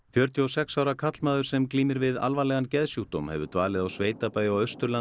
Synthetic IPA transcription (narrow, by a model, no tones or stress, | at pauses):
fjœɾ̥t̪ʰjiɔsɛksaːwɾakʰat̪lmaːðʏɾ̥sɛmkliːmɪɾvɪða̰lvalɛɣancɛðsjuht̪omhɛ̰vʏt̪vaːlɪðawsveːjt̪apaːjʏawœst̪ʏɾla